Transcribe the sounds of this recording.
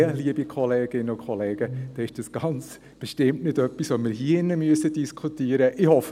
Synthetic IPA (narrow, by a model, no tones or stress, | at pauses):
liəbikʰɔleːɡ̥ɪnːəʊkʰχɔleːɡ̥əd̥ɑːɪʃd̥ɑsɡ̥ɑnt͡s | b̥ɛʃtɪmtnɪdœpːisʋomɪɾɦiəɪnːəmyəsədiskʰutiəɾəʔɪhɔf